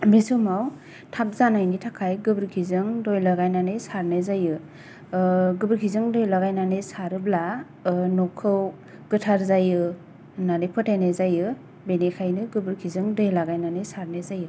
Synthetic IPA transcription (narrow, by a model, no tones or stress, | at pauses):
misumaw | tʰap̚zanajnitʰakʰajɡɯbɾkʰizɯŋdojlaɡajnanesaɾnezajɯ | ɡɯbɯɾkʰizɯŋdɔjlaɡajnanɯsaɾɯbla | nɔkʰːɯw | ɡ̥ɯtʰaɾzajɯ | nanejpʰɯtʰenezajɯ | benekʰajnɯɡɯbɯɾkʰizɯŋdɔjlaɡajnanesaɾnezajɯ